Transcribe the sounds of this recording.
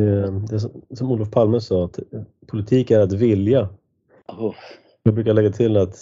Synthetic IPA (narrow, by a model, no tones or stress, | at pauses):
ɛd̪ɛs̬ɔsɔmuːlɔfpʰalməsɑːat̪ | pʰʊlɪt̪ʰiːkæɾat̪vɪlja | jɑːɡ̚bɾʉ̟ːkaɭɛɡːat̪ʰɪlat̪